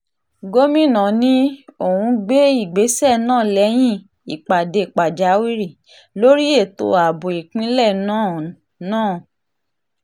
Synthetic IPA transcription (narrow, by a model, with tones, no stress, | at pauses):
ɡo˦mĩ˦˨nã˨nĩ˦o˨hũ˧ɡ͡be˦i˦˨ɡ͡be˨˦sɛ˦˨nãː˦˨lɛ˨˦j̃ĩ˦˨ | i˨k͡pa˨de˧˨k͡pa˨d͡ʒa˨˦wi˦ɾi˦˨ | lo˦ɾi˦e˦˨to̰˧˨a˨bo˨i˨k͡pĩ˦lɛ˦˨nãː˦˨˦ | nãː˦˨